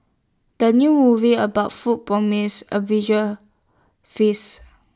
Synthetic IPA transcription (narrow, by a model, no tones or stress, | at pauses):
d̥ənjumuviəbaʊtfut̚pɹɔmisə̰vid͡ʒə | fis